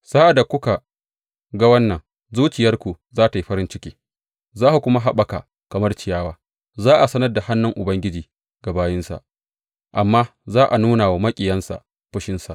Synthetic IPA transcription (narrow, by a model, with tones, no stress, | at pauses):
saː˦ʔa˨da˨kʷʊ˦ka˨ | ɡa˦wɐ˦nːɐ˨ŋ | zuː˦t͡ʃɪ˨jɐ˦rkʷu˨ | zaː˦ta˨ji˦ɸɐ˦ɾɪ˦nt͡ʃɪ˦kʲiː˦ | zaː˦ha˨kʷʊ˦ma˦ɦa˦ɓa˨ka̰˨ | kɐ˨mɐ˦rt͡ʃɪ˨jaː˦waː˦ | zaː˦ʔa˨sɐ˦nɐ˦rda˨ha˦nːʊ˦ŋʔʊ˨bɐ˦ŋɡʲɪ˦d͡ʒiː˨ | ɡa˨baː˦jɪ˦nsa̰˨ʔ | ʔa˨mːaː˦zaː˦ʔa˨nuː˦naː˨wa˨mɐ˦kʲʼɪ˨jɐ˦nsa̰˨ | ɸʊ˦ʃɪ˦nsa˨ʔ